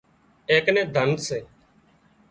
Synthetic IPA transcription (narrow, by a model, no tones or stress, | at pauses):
eːknẽːd̪ʱənd̪seː